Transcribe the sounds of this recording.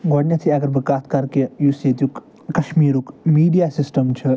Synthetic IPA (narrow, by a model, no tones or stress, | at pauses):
ɡoɽnʲɐt̪ʰiɐɡəɾbɐkaːt̪ʰkɐɾkejuset̪juk | kɐʃmiːɾukmiːɖijasisʈəmt͡ʃʰɐ